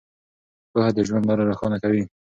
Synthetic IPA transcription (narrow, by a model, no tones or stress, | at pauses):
pəhad̪əʒwand̪lɑɾaɾaxɑnakawi